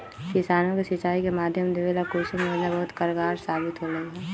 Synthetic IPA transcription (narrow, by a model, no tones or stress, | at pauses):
kɪsaːnõkesɪt͡ʃaːikemaːd̪ʱjəmd̪ɪʋeːlakuːsimeɐd͡ʒnabɐɦʊt̪kɐɾɡaːɾsaːbɪt̪ɦoɾɐɦiɦɛː